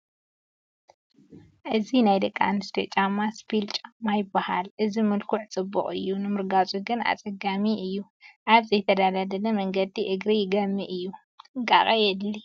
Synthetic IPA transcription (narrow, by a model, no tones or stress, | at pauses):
ʔɨzinajd̪ɐkʼːa̰nɨst̪ʰɐt͡ʃʼamaspʰilt͡ʃʼamajɪbːaha̰lʔɨzimɨlkʰuʕt͡sʼɨbːɨ̰χʼɨ̰jːunɨmɨɾɡat͡sʼuɡɨna̰t͡sʼɐɡamiʔɨjːu | ʔaβzɐjt̪ʰɐd̪ad̪ad̪ɐnɐmɐŋɡɐd̪ːiʔɨɡɾijɪɡɐmːiʔɨjːu | ɡa̰kʼɐjɛd̪li